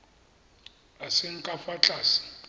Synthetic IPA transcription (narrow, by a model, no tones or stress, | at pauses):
asɪŋ̩kʼafat͡ɬʼaːsi̥